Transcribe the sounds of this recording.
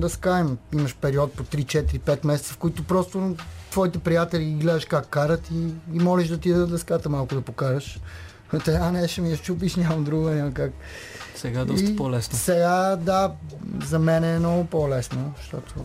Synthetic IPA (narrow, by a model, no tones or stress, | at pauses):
d̪ɐskaɛmimɐʃpɛɾiɔt̪̚pot̪ɾit͡ʃɛt̪iɾipɛt̪mɛsɛt̪səfkoit̪ʊpɾɔst̪ot̪vɔit̪ɛpɾijat̪ɛliiɡlɛd̪ɐʃkakːaɾət̪iːmɔlɛʃd̪ɐt̪id̪əd̪ɐskat̪əmalˠkʊd̪ɐpokaɾɐʃ | ot̪ɛɡanɛʃomiɐt͡ʃupiʃnʲamɐmd̪ɾuɡʊnʲamɐmkak | sɛɡad̪sipolɛsnsɛɡad̪azɐmɛnɛːnnɔɡʊpolɛsnoʃt̪ɔt̪ʰo